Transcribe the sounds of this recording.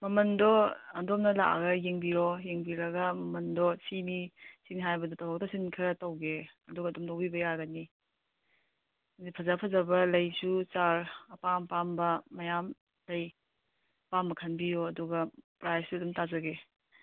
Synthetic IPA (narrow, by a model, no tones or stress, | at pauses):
mɐmɐndɔɐdɔmnɐla̰ʔɡɐjeŋbiɾɔjeŋbiɾɐɡɐmɐmɐndɔsinisiniɦajbɐdɔtawaktɔsinkʰɐtawɡeɐduɡɐdɔmtawbibɐjaɡɐni | dipʰɐzapʰɐzɐbɐlɐjsut͡ʃaɾɐpampambɐmɐjam | kʰɐj | pambɐkʰɐnbijɔːduɡɐpɾajsɐdɔmtazɐɡe